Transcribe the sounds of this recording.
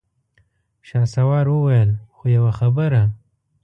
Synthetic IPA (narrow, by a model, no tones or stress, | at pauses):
ʃɑsawɑɾwəwajəlxojawaxabəɾa